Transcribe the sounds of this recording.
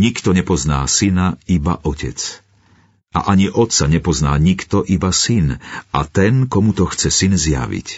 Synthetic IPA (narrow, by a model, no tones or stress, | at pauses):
ɲikt̪ɔɲɛpɔzna̰ːsinaiba̰ʔɔcɛ̰t͡s | ʔa̰ʔaɲiʔɔt̪t͡saɲɛpɔznaːɲikt̪ɔʔibasinʔat̪ɛnkɔmut̪ɔxt͡sɛsinzɪja̰ʋḭc